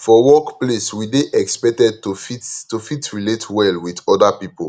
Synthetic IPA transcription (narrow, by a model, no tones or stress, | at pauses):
fɔwɔkpleswideʔɛkspɛk̚tɛd̚tofittofitɹiletwɛlwidɔdapipo